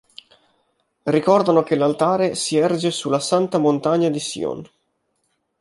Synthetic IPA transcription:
rikɔrd̪anokelːalt̪aːɾesiɛrd͡ʒesulːasant̪amont̪aɲːad̪isḭɔ̰n

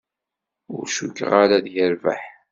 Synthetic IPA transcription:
ʊ̰ɾʃukːəʁaɾaðjəɾva̰ħ

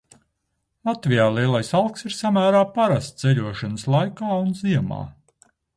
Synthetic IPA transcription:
lˠat̪vijaːlˠiɛlˠajsalˠksiɾsamæːɾaːpaɾast̪t̪sɛʎʲuɔʃanəslˠajkaːunziɛma̰ː

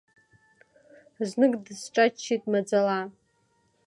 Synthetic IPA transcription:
znɨkʼdsʈ͡ʂʼat͡ʃʰːitʼmad͡zala

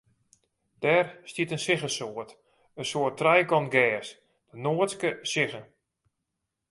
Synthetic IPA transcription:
d̥ɛːrstitənsɪɣəsoət | ənsoətːrɛjɡɔnɡɛːs | d̥ənoətskəsɪɣən

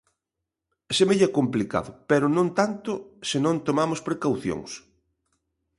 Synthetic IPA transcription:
semeʎɛkomplika̰ðʊpɛɾʊnõnt̪ant̪ʊsenõnt̪omamʊspɾekawθjo̰ŋs

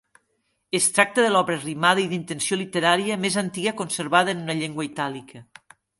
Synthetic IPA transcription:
est̪ɾak̚t̪əðəlɔβɾərimaðəiðint̪ensiolit̪eɾaɾiəmezant̪iɣəkonseɾβaðəːnunɐʎeŋɡwəit̪alikʰə

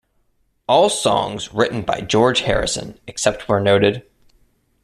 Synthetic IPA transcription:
ɔlˠsɔ̰̃ŋzɹɪʔn̩ba̰ɪd͡ʒɔɹ̥ʒ̥hɛ̰ɹɨ̰sɨ̰̃nɨksɛp̚t̚wə˞noʊɾɨd̥

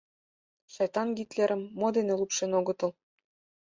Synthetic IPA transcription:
ʃɑjt̪ɑnɡit̪leɾʔə̆mːod̪enelupʃenoɣɤ̆t̪ɤ̆l

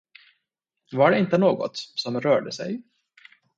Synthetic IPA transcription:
vaɖɛɪnt̪ənoːɡɔ̰t̪sɔmɾœːɖəsɛ̰j

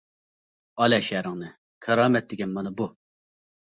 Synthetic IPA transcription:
ɑlɛʃæɾɪŋnɨ | kʰɑɾɑːmɛt̪̚d̪ɪɡʲɛnmɑnɑbu

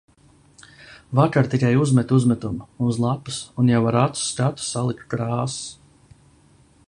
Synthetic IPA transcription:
vakaɾt̪ikajuzmɛt̪uzmɛt̪ummunzlˠapɨ̥sunjawaɾat̪ɾu̥skat̪u̥salˠikt̪̚kɾaːs

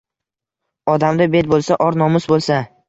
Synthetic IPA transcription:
ɒd̪amd̪abet̪̚bolˠsaʔɒɾnɒmʊsbolˠsa

